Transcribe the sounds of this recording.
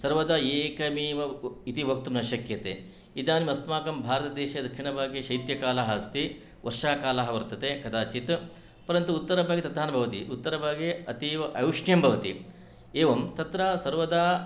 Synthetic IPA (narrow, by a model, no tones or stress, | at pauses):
sɐɾʋɐd̪aːeːkɐmiːʋɐit̪ibʱɐk̚t̪umnɐʃɐkjɐt̪ḛː | id̪aːnimɐsmaːkɐmbʱaːɾɐt̪ɐd̪eːʃɐd̪ɐkʃiɳɐbʱaːɡeʃɐjt̪jɐkaːlaɦɐst̪i | ʋʔɐɾʂaːkaːlaːɦɐʋɐɾt̪ɐt̪ekɐd̪aːt͡ʃit̪ | pɐɾɐnt̪uut̪ːɐɾɐbʱaːɡet̪ɐt̪aːnɐbʱɐʋɐt̪ḭʔut̪ːɐɾɐbʱaːɡeɐt̪iʔɐjuʂɳjɐmbʱɐʋɐt̪ḭ | eːʋɐmt̪ɐt̪ɾaːsɐɾʋɐd̪aː